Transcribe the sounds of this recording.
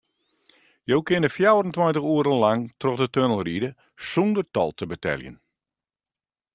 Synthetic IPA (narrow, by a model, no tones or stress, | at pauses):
jowkɪnəfjawrəntwantəɣuəɾəlaŋtrɔxdətønəlˠridə | sundərtɔ̰lˠtʰəbətɛ̰lˠjə̰n